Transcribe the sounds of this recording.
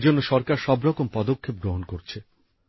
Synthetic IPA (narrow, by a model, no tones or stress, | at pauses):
d͡ʑonːoʃɔɾkaɾʃɔbɾɔkompɔd̪okʰːep̚ɡɾoɦonkoɾt͡ɕʰe